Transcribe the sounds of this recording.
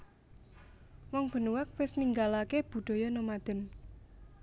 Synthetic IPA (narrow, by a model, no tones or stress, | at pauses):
wɔŋb̥ə̤nuwak̚wɪsniŋɡalakeb̥ṳɖ̪̥ɔ̤jɔnomad̪̥ə̤n